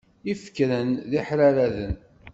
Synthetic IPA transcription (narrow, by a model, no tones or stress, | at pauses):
ifkɾənðiħɾæɾæðən